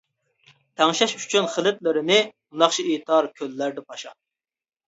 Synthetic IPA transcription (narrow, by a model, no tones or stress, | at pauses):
t̪ʰɛŋʃɛʃyt͡ʃʰynχəlˠɪt̪lɪɾɪnɪbund̪ɑχt͡ʃʰiit̪ʰɑɾkʲʰølːæɾd̪ɛpʰɑʃɑ